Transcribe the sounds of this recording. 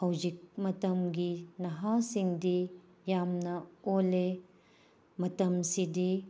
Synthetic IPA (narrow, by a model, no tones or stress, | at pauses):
hɐwzik̚mɐtɐmɡinɐɦasiŋdi | jamnɐole | mɐtɐmsidi